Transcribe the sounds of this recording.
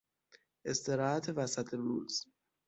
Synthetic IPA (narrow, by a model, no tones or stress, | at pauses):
ʔe̞st̪e̞ɾɒːhæt̪ʰevæsæt̪ʰeɾṵːz̥